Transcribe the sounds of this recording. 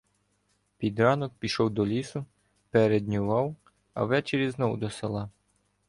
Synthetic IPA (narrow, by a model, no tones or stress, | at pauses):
pʲid̪ɾɑnɔk̚pʲiʃɔwd̪ɔlʲisʊ | pɛɾed̪ʲnʲʊʋɑw | ɐ̰ʋɛt͡ʃeɾʲiznɔwʊd̪ɔselˠɑ